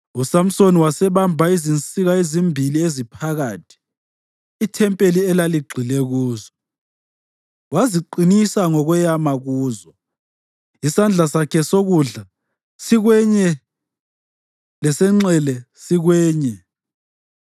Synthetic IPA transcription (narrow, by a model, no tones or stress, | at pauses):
usam̩soniwasɛβambʱaizint͡sʼiɣaezimbʱiliezipʰaɣaːtʰi̥ː | tʰɛmpʼeliɛlaliɡ͡ǀʱilɛɣuːzɔ | waziǃinisaŋɔɣwɛjamaɣuːzɔ | isand͡ɮʱasakʰɛsoɣuɮa | siɣwɛɲɛ | lɛsɛŋ͡ǁɛlɛ | siɣwɛːɲɛ